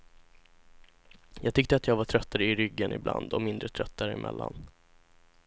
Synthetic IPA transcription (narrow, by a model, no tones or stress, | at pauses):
jɑːɡ̚t̪ʰʏk̚t̪əat̪jɑːɡvaʈʰɾœt̪ːaɾəɪɾʏɡːənɪbla̰nd̪ɔmɪnd̪ɾət̪ʰɾœt̪ːaɾəɪmʔɛ̰lːa̰n